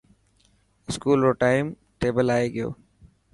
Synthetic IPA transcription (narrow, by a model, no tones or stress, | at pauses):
ɪskuːlɾoʈaːɪm | ʈeːbəlaːeɡəjo̰ː